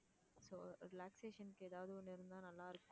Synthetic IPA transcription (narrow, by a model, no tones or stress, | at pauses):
soːɾɪlaːkseːʂɐnkeːðaːʋɐðuneɾɯnd̪aːnɐlːaːɐɾɯkː